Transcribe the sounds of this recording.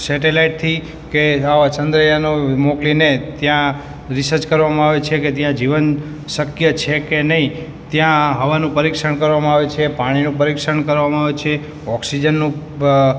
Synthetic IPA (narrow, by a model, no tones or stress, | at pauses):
sɛʈelaiʈ̚t̪ʰi | keaʋat͡ʃənd̪ɾəjanomoklinet̪jã | ɾɪsəɾt͡ʃkəɾʋamãaʋet͡ʃʰeket̪jãd͡ʒiʋən | səkjət͡ʃʰekenəɦĩ | t̪jãɦəʋanũpəɾikʃəɳkəɾʋamãaʋet͡ʃʰepaɽ̃inũpəɾikʃəɳkəɾʋamãaʋet͡ʃʰe | ɔksid͡ʒənːũ